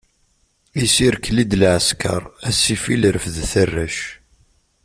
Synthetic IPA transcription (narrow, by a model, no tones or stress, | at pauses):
isiɾkːlid̪lʕəskɑ̰ɾˤæsifiləɾəfəðθərːæʃ